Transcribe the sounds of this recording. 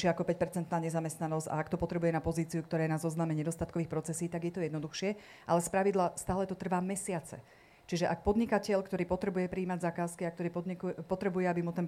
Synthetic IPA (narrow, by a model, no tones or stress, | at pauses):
ɪɛakɔpɛc̚pɛɾt͡sɛnt̪naːɲɛzamɛst̪nanɔz̥ɟa̰akt̪ɔpɔt̪ɾɛbujɛnapɔziːt͡siukt̪ɔɾɛːnaːzɔznaːmɛɲɛd̪ɔst̪at̪kɔʋiːxpɾɔtt͡sɛsiːt̪aɡjɛt̪ɔjɛd̪nɔd̪uxʃɪɛ | ʔalɛspɾaʋid̪last̪aːlɛt̪ɔt̪r̩ʋaːmɛsɪat͡sɛ̰ | t͡ʃiʒɛʔak̚pɔd̪ɲikacɛʎkt̪ɔɾiːpɔt̪ɾɛbujɛpɾiːmaɟzakaːskiak̚t̪ɔɾiːpɔikpɔt̪ɾɛbujɛabimut̪ɛn